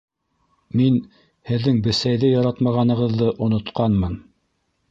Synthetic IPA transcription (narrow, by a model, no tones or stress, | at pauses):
min | hɘ̆ðːɘŋbɘ̆sæjðɘjɑɾɑt̪mɑʁɑnɤ̆ʁɤ̆ðːɤʔŏnŏt̪qɑnmɤn